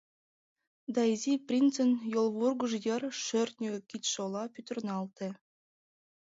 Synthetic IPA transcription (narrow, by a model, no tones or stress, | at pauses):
d̪ɑizʲiprʲint͡sə̆njolˠβurɡŭʒjə̆rʃørʲt̪nʲøkʲit̪ʲʃolˠɑpʲyt̪ə̆rnɑlt̪ĕ